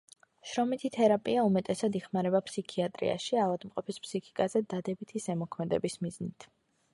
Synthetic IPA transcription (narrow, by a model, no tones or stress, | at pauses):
ʃɾɔmit̪ʰit̪ʰɛɾapʼiaumɛt̪ʼɛsad̪iχmaɾɛbapʰsikʰiat̪ʼɾḭa̰ʃialˠad̪mqʼɔpʰispʰsikʰi̥kʼazɛd̪ad̪ɛbit̪ʰisɛmɔkʰmɛd̪ɛ̰bismiznit̪ʰ